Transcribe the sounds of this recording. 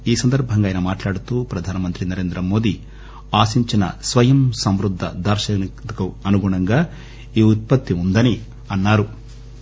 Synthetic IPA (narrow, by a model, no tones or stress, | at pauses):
iːsɐnd̪ɐɾbʱɐŋɡaːjnɐmaːʈlaːɽut̪uːpɾɐd̪ʱaːnɐmɐnt̪ɾinɐɾe̞ːnd̪ɾɐmo̞ːd̪i | aːsiɲt͡ʃinɐ̰sʋɐjɐmsɐmɾud̪ʱːɐ̰d̪ɐɾʃɐnɐɐkuɐnuɡuːɳɐŋɡaː | iːut̪̚pɐt̪ːiund̪ɐni | ɐnːaːɾu